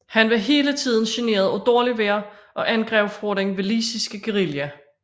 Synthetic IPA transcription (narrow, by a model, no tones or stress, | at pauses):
hænʋeɦe̝ːlət͡sʰið̰ˠn̩ɕene̝̰ːɐð̞ˠɒd̥ɒɐliʋeɐʔɒ̽ʔænɡ̥ʁɛʊfʁɔd̥ʁeŋʋe̝liːsisɡ̥əɡ̥eʁiljæ